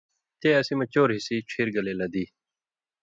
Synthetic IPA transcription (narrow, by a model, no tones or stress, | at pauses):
t̪eːɐsimɐt͡ɕoːɾɦisiːt͡ɕʰiːɾɡɐleːlɐd̪iː